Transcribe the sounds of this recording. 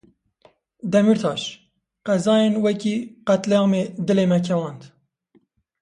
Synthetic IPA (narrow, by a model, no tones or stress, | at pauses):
d̪ɛmiɾt̪ʰɑːʃ | qɛzɑːjenwɛkiːqæt̪lɛjɑːmeːd̪ɨleːmɛkʰɛwɑːnd̪